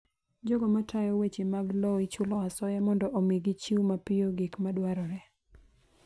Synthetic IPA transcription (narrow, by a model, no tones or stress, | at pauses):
d͡ʒoɡomɔtʰajɔwet͡ʃimaɡlɔɪt͡ʃʊlɔasɔjamɔndɔʔomiɡit͡ʃiwmapɪoɡikmadwaɾɔɾɛ